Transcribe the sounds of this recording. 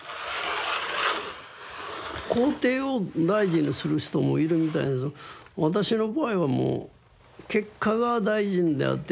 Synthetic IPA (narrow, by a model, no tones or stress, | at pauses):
ko̞ːt̪e̞ːod̪aiʑĩɲ̟isɨɾɯ̟çi̥t̪o̞mo̞̰iɾɯ̟mʲit̪̬aḭnesβat̪aɕino̞baiβamo̰ː | ke̞kʰːaɡad̪aiʑĩnd̪e̞̰a̰t̪ːe